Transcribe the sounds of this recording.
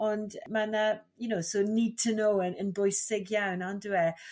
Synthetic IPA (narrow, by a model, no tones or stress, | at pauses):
ɔndmana | jənowsoniːd̚tʰənowənənbʊjsɪɡjawnanduɛ